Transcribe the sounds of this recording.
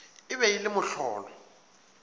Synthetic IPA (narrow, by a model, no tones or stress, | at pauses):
ɪβɛilɪmʊɬɔ̰ːlɔ